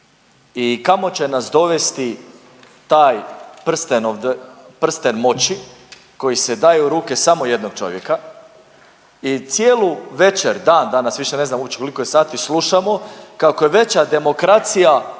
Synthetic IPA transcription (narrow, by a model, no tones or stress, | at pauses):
ikamo̞t͡ɕe̞nasd̪o̞ʋest̪i | t̪aːjpr̩st̪enoʋd̪pr̩st̪enmo̞t͡ɕi | ko̞jised̪ajeuɾuːke̞samo̞je̞d̪no̞ɡ̥̚t͡ʃo̞̰ʋjeka | it̪sjeːluʋe̞t͡ʃeɾd̪aːnd̪anasʋiʃene̞znamupt͡ɕe̥kolikojesaːt̪islˠuʃamo̞kako̞je̞ʋe̞t͡ɕad̪e̞mo̞kɾat̪sija